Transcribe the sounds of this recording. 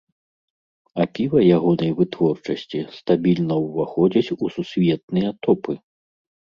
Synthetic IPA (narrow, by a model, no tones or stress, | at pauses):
apʲivɐjaɣɔnɐjvɨt̪vɔrt͡ʂɐsʲt͡sʲist̪abʲilʲnɐwvaxɔd͡zʲɐt͡sʲususʲvʲɛt̪̚nɨjɐt̪ɔpɨ